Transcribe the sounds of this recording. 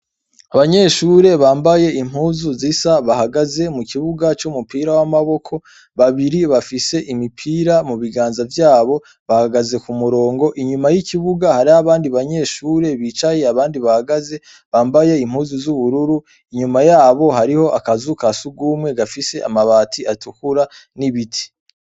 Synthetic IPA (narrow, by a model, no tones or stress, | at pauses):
aβaɲe̞ʃuɾe̞βaːmbaje̞im̥huːzuzisaβahaɡaze̞mukʰiβuɡat͡ʃumupiːɾawamaβo̞kʰo̞ | βaβiɾiβafise̞ʔimipʰiːɾamuβiɡaːnzavjaːβo̞ | βahɡaze̞kumuɾo̞ːŋɡo̞ʔiɲumajikiβuɡahaɾihaβaːndiβaɲe̞ːʃuːɾe̞βit͡ʃaje̞aβaːndiβahaɡaze̞ | βaːmbaje̞im̥huːzuzuβuɾuɾu | iɲumajaːβo̞ɦaɾiho̞ʔakazukasuɡuːmŋe̞ɡafise̞ʔa̰maβaːtʰiʔatukuɾaniβitʰi̥